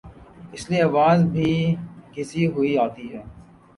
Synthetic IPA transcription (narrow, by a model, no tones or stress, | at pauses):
ɪslieɐʋaːzbʱiːɡʱɪsiɦʊiaːt̪iɦɛː